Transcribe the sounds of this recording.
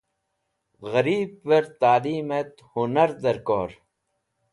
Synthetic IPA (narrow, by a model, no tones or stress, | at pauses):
ɣɐɾiːb̚ːeɾt̪aːliːmet̪hunɐɾd̪ɐɾkoːɾ